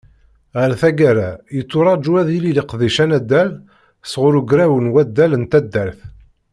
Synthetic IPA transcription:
ʁəɾθæɡæɾæjət͡sːʊɾˤɑd͡ʒuæðililiqðiʃænæd̪ːæl | sʁʊɾuɡɾæwənwæd̪ːælənt̪æd̪ːæɾθ

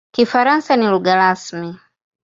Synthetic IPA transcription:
kifaɾansaniluɡaɾasmi

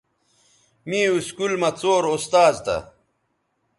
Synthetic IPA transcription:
miːuskulmɐt͡soːɾost̪aːd͡ʑt̪ɐ̰

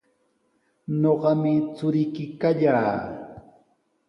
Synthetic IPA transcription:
ɲoɢɑmɪt͡sʊɾɪkɪkaʎaː

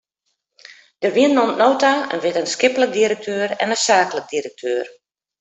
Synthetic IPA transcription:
d̥ərʋiənːomtnoːtaə̰nʋɪtənskɪplək̚diɾək̚tʰøːrɛ̰nəsaːklək̚dirək̚tʰøːr

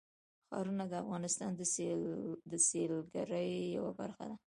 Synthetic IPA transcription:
xɑ̰ɾunad̪əafɣɑnɪst̪ɑnd̪ə | d̪əselɡaɾəjːawaba̰ɾxa̰d̪a

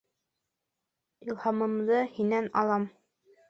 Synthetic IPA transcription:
ilˠhɑmɤ̆md̪ɤhinænɑ̰lˠɑm

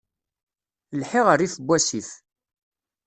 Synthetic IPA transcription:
lħɪʁəɾiθəbʷːæsiθ

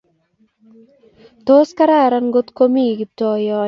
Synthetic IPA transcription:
t̪oːskaɾaːɾanɡot̪komiːɡip̚t̪ɔːjɔː

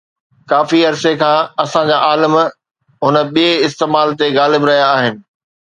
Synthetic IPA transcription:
kaːfiɐɾsekʰãːɐsãd͡ʑaːʔaːləm | ɦʊnə̆ɓieɪst̪eːmaːlt̪eɣaːlɪbɾɐɦijaːɦɪnɪ̆

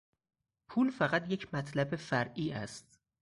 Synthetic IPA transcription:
pʰuːlfæɣæt̪ʰjecʰmæt̪ʰlæbefæɾʔiːʔæ̰st̪̚

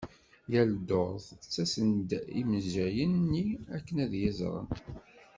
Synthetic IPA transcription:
jæld̪oðˤt͡sːæsənd̪iməzæjənːiækːənæðjæzɾˤə̰n

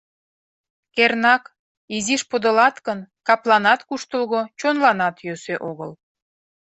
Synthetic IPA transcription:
kernɑk | iziʃpod̪əlɑt̪kənkɑplɑnɑt̪kuʃt̪əlɣot͡ɕonlɑnɑt̪jøseʔoɣəl

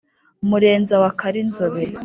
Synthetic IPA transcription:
muɾe̞ːnzawakʰaɾinzoβe

